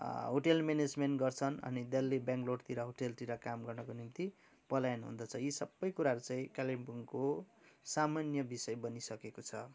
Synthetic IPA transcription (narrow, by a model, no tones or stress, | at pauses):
ɦoʈelmened͡zmenʈɡʌrt͡sʰʌnʌ̰nid̪elːebjãŋkloɽt̪iɾʌɦoʈelt̪iɾʌkamɡʌrnʌkonimt̪i | pʌlajnɦṵnd̪ʌt͡sʰʌjisʌbːʌjkuɾaɾut͡saĩkalibuŋkosamanjʌbisʌjbʌnisʌkekot͡sʰʌ̰